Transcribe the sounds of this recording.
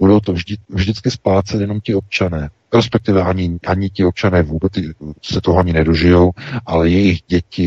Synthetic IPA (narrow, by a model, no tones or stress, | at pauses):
budowt̪ovʒdɪvʒdɪt͡skɪsplaːt͡sɛt̪jɛno̞mcɪo̞p̚t͡ʃanɛː | ɾɛspɛk̚t̪ɪvɛʔaɲɪʔaɲɪcɪop̚t͡ʃanɛːvuːbɛt͡sɪsɛt̪oɦoaɲɪnɛdoʒɪjo̞wʔalɛjɛjɪɣɟɛcɪ